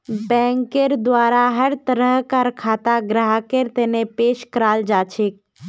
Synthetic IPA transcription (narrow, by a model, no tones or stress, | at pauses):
bɛ̃ːŋkeɾd̪waːɾaɦəɾt̪əɾəɦkaɾkʰaːt̪aɡɾaɦakeɾt̪eːnepeːʃkɾaːld͡ʒaːt͡ʃʰek̚